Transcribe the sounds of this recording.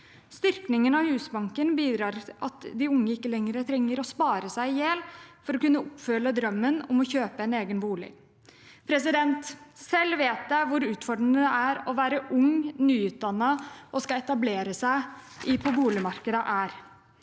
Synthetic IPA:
st̪ʏɾknɪŋənɑhʉːsbɑŋkənbiːd̪ɾɑːɾɑ̰t̪d̪ɪʊŋːəɪkːəlɛŋəɾət̪ʰɾɛŋːəɾɔspɑːɾəsæɪjeːlfɔɾɔkʉnːəʊpfœləd̪ɾœmːənɔmɔçøːpəɛneːɡənbuːlɪ̰ | pʰɾɛsɪd̪ɛnt̪sɛlːʋeːt̪̚d̪æʋʊɾʉːt̪fɔɖənəd̪ɛæɾɔʋæːɾəʔʊŋnyːʉːt̪̚d̪ɑnːɑʔɔskɑɛt̪ɑbleːɾəsæɪ | ɪpʰɔbuːlɪmɑɾkəd̪əʔæːɾ

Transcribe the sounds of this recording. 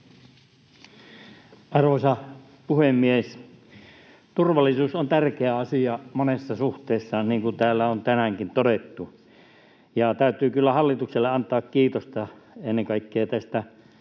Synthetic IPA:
ɑrʋosɑ | puhemːies | t̪urʋɑlːˑisuːsont̪ærkeæɑsiɑmonesːɑsuht̪eːsːɑniːŋkut̪æːlːæont̪ænæŋkint̪odet̪ːu | jɑt̪æyt̪yːkylːæhɑlːit̪ukselːeɑnt̪ɑːkkiːt̪ost̪ɑenːeŋkɑikːeːt̪æst̪æ

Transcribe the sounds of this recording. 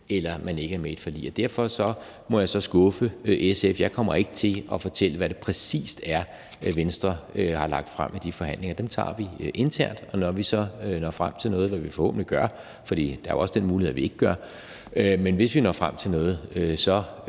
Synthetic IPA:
elɐmæne̝ɡəæɐmee̝d̥fɒ̽lḭːɐd̥æɐ̰fɒ̽sɒ̽ | mɒ̽jɑ̈ɪsɒ̽sɡ̥ɔ̽fəʔesefjɑ̈ɪkʰɒ̽m̰ɐe̝ɡ̥ət͡sʰe̝lɒ̽fɒ̽t͡sʰel̰əʋæɾ̥e̝pʰʁɛsḭːsd̥æɐ | ʋensd̥ʁɐhɑ̈lɑ̈ɡ̥̚d̥fʁam̰id̥ifɒ̽ɦæn̰le̝ŋɐd̥emt͡sʰɑ̰̈ːʋiʔe̝nt͡sʰæɐ̰nd̥ɒ̽nɒʋisɒ̽nɒ̰ːfʁam̰t͡sʰe̝lnɔ̽ːð̞̩ˠʋæʋifɒho̰̽ːb̥nliɡ̥ɶɐ | fɒd̥ḭːd̥ɑ̈æ̰ɐɒ̽səd̥enmuːlihe̝̰ʋie̝ɡ̥əɡ̥ɶɐ | menʋe̝sʋinɒ̰ːfʁam̰t͡sʰe̝lnɔ̽ːð̩ˠøsɒ̽

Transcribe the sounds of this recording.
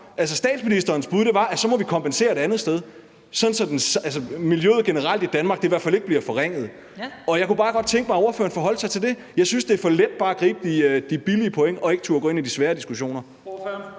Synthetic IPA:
ʔæls̬əsd̥ɛ̰ːd̥sminisd̥ɐːnsb̥uð̞ˠd̥eʋɑ̈ʔæsɒ̽mɒ̽ʋikʰɒ̽mpʰense̝̰ːɐed̥ænð̞̩ˠsd̥eð̞ˠ | sɒ̽nsɒd̥ensælsəmiljøð̩ˠɡ̥e̝nəʁɑ̈l̰d̥id̥ænmɑ̈ːɡ̥̚d̥eiʋæɐfæle̝ɡ̥əb̥liɐfɒʁeŋ̰ð̞̩ˠ | ɒ̽jɑ̈ɪkub̥ɑ̈ːɡ̥ɒ̽d̥̚t͡sʰeŋɡ̥əmɑɪɒɐfø̰ːɐnfɒ̽ɦɒ̽l̰sɑ̈ɪt͡sʰe̝ld̥e̝ | jɑ̈ɪsynsd̥e̝ɐfɒ̽led̥̚b̥ɑ̈ːæɡ̥ʁḭːb̥əd̥id̥ib̥iliəpʰo̽eŋəʔɒ̽e̝ɡ̥ət͡sʰṵːɐɡ̥o̰ːe̝nid̥isʋæːɐd̥isɡ̥uɕo̝̰ːnɐ

